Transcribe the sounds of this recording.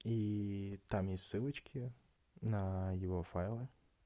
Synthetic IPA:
it̪amjesʲtʲsɨlˠət͡ɕkʲɪ | nɐjɪvofajlˠɨ

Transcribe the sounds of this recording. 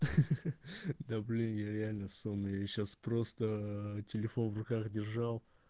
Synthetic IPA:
d̪ablʲinjaɾʲɪalʲnəsunəjaɕaspɾo̞st̪ətʲɪlʲɪfo̞nvrʊkaxdʲɪrʐɑlˠ

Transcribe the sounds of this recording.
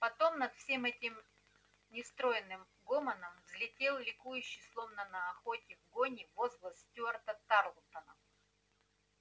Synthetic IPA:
pɐt̪o̞mnɐt̪fsʲe̞mɛtʲɪm | nʲɪst̪ɾo̞jɪnːɨm | ɡomənəmvzlʲɪtʲe̞lˠlʲɪkujʉɕːɪjslˠo̞vnənɐɐxotʲɪvɡonʲɪvozvlˠəsʲtʲuɐrt̪ət̪arlˠt̪ənə̰f

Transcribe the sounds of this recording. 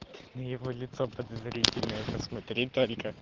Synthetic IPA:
nɐjɪʋɔlʲɪt̪sɔpɐd̪ɐzɾʲitʲɪlʲnɔjɛpɐsmɐt̪ɾʲit̪olʲkə

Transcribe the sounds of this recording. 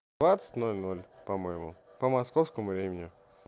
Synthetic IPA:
d̪vat̪sə̥tʲnolʲnolʲpɐmojɪmʊ̰ | pəmɐskofskəmʊvɾʲemʲɪnʲɪ

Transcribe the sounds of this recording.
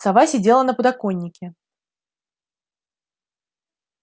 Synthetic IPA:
savasʲɪdʲelˠənəpʊd̪akonʲːɪkʲɪ

